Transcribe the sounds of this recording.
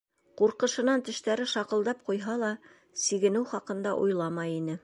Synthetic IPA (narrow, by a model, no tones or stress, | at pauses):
quɾqɤ̆ʃɤ̆nɑnt̪ɘ̆ʃt̪æɾɘʃɑqɤ̆lˠd̪ɑp̚qujɦɑlˠɑ | siɡɘ̆nɘwχɑqɤ̆nd̪ɑʔujlˠɑmɑjinɘ